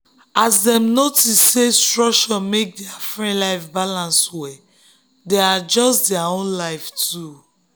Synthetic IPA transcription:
asdɛ̃mnotisːestɹɔk̚t͡ʃɔmek̚dɛafɹɛ̃nlaɪfbalãnswɛ | dɛad͡ʒɔsdɛaõnlaɪftʰu

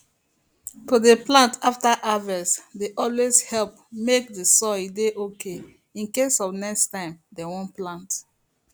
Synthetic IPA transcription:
todeplãntaftaʔavɛsdeʔɔlwezhɛlp̚ | mek̚dəsɔedeʔokʰe | ĩnkesɔvnɛkstãɪ̃mdewɔ̃nplãnt

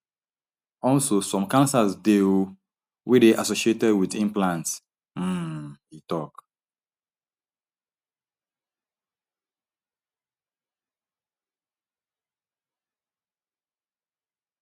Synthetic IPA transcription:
ɔlsosɔ̃mkãnsasdeo | wideʔasoʃietɛdwidĩmplãnts̩ | itɔk

